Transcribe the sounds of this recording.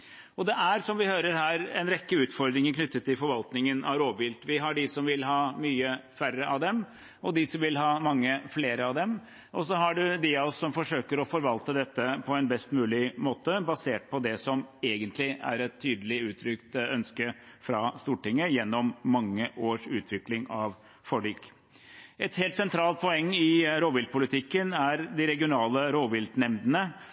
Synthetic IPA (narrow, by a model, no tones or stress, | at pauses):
ɔd̪ɛʔæɾsɔmʋɪhøːɾəɾɦæːɾɛnɾɛkːəʉːt̪fɔɾd̪ɾɪŋəkʰnʏt̪ːət̪ːɪlfɔɾʋɑlt̪nɪŋənʔɑʋɾoːʋəʋɪlt̪ʋɪɦɑɖɪsɔmʋɪlɦɑːmyːəfærəʔɑʋd̪ɛm | ɔd̪ɪsɔmʋɪlɦɑːmɑŋːəfleːɾəɑʋd̪ɛm | ʔɔsɔɦɑɖʉd̪ɪɑɔsːɔmfɔʂøːkəɾɔfɔɾʋɑlt̪əd̪ɛt̪ːəpʰɔɛnbɛst̪mʉːlɪmoːt̪əbɑseːʈ̚pʰɔd̪ɛsɔmeːɡənt̪lɪæ̰ɾɛt̪ʰːyːd̪əlɪʉːt̪ʰɾʏkt̪œnskə | fɾɑst̪uːʈɪŋːəjɛnːɔmːɑŋːəʔoːʂʉːt̪ʰʋɪklɪŋɑʋ | fɔɖyːk | ɛt̪heːlt̪sɛnt̪ʰɾɑːlt̪̚pʰɔɛŋːɪɾoːʋɪl̚pʰʊlɪt̪ʰɪkːənæɾd̪ɪɾɛɡɪʊnɑːləɾoːʋɪld̪nɛmd̪ənə